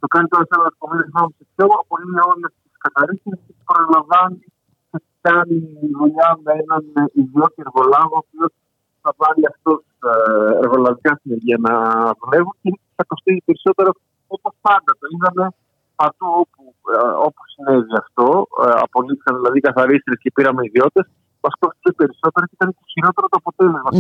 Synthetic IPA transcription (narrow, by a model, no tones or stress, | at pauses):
t̪o̞kɐnit̪o̞ɾɐsenɐɐɾkomenosɐmosepçoɐpolimɲɐo̞ɾiɐt̪iskɐθɐɾisiɐstepɐɾɐlɐɱvɐni | t̪et̪ikɐniðuʎɐmee̞nɐniðio̞t̪ieɾɣo̞lɐɣoːpiot̪ | θɐvɐniɐft̪o̞seɾɣo̞lɐðikɐsineɾʝiɐnɐðule̞vuncei̥θɐko̞st̪isipe̞ɾiso̞t̪e̞ɾo | opospɐnd̪ɐt̪o̞iðɐne̞ | pɐt̪uo̞pu | o̞pu̥sine̞viɐft̪o̞ɐ̰po̞liθi̥sɐnðilɐðikɐθɐɾist̪ɾesce̞piɾɐmeiðio̞t̪e̞s | mɐsko̞st̪i̥sepe̞ɾiso̞t̪e̞ɾocit̪ɐnet̪eçiɾo̞t̪e̞ɾot̪oɐpo̞t̪e̞le̞zmɐ